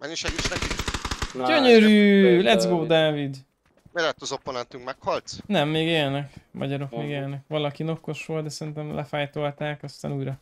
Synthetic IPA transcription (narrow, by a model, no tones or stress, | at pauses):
mɛnːiʃɛɡit͡ʃnɛki | ɟøɲøɾyːlɛd̪zɡoːd̪aːvid̪ | melɛt̪ːɒzo̞pːonɛnt̪yŋkmɛkhɒlt̪nɛmːeːɡeːlnɛkmʔɒ̰ɟɒɾo̞kmeːɡeːlnɛkʋɒlɒkino̞ko̞ʃʋo̞lt̪̚d̪ɛsɛɾint̪ɛmlɛ̰faːjt̪o̞lt̪aːkɒst̪a̰ːnuːjɾɒ